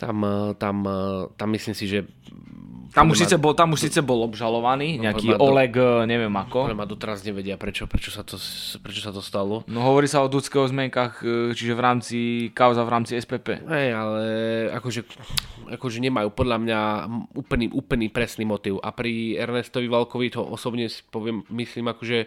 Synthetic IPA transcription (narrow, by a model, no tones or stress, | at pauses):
t̪a̰mt̪amt̪amːisliːmsiʒɛ | t̪amuʃsiːt͡sɛbɔt̪amuʃsiːt͡sɛbɔlɔbʒalɔʋaniːɲɛakiːɔlɛɡɲɛʋɪɛmakɔɔlamad̪ɔt̪ɛɾazɲɛʋɛɟɪapɾɛt͡ʃɔpɾɛt͡ʃɔsat̪ɔpɾɛt͡ʃɔsat̪ɔst̪alɔnɔɦɔʋɔɾiːsaɔd̪ut͡skɛːɦɔzmɪɛŋkaxt͡ʃiʒɛʋɾaːmt͡sikaʊzavɾaːmt͡siɛspɛːpɛ̰ːɦɛjalɛa̰kɔʒɛakɔʒɛɲɛmajuːpɔd̪ʎamɲauːplniʔuːpl̩nipɾɛsniːmɔt̪iʊʔa̰pɾiɛɾnɛst̪ɔʋiʋalkɔʋit̪ɔʔɔsɔbɲɛsi̥pɔʋɪɛmːisliːmakɔʒɛ